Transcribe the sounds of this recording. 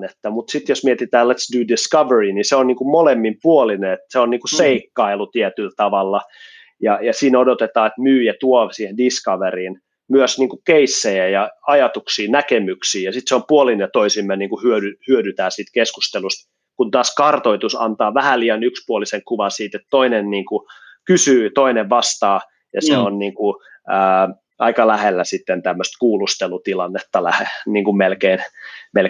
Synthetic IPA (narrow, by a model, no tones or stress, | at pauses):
net̪ːæmut̪sit̪josmiet̪it̪æːlet̪sdudiskɑʋeriniseonniːŋkumolemːimpuolineet̪seonniːŋkuseikːɑilut̪iɛt̪ylt̪ɑʋɑlːɑ | jɑjɑsiːnodot̪et̪ɑːet̪myːjɑt̪uoʋsiːhendiskɑʋeriːn | myøsniːŋkukeisːejæjɑɑjɑt̪uksiːnækemyksiːjɑsit̪seompuolinejɑt̪oisimːeniːŋkuhyødyhyødyt̪æːsiːt̪kesku̥st̪elust̪ | kunt̪ɑːskɑrt̪oit̪usɑ̰nt̪ɑːʋæhæliːɑnykspuoliseŋkuʋɑsiːt̪et̪t̪oinenniːŋku | kysyːt̪oineʋʋɑst̪ɑː | jɑseonniːŋku | əː | ɑikɑlæhelːæsit̪ːent̪æmːøst̪kuːlust̪elut̪ilɑnːet̪ːɑlæheniːŋkummelkeinmel